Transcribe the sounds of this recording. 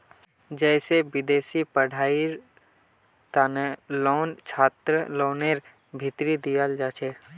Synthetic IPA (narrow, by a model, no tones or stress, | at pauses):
d͡ʒɛːseʋɪd̪eːsipəɽ̤ʱaːi | t̪anelɔːnt͡ʃʰaːt̪ɾəlɔːneɾ | bʱɪt̪ɾid̪ijəld͡ʒaːt͡ʃʰeː